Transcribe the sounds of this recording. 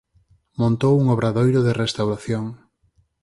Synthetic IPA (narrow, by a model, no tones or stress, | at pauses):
mõnt̪owuŋoβɾaðojɾoðerest̪awɾaθjoŋ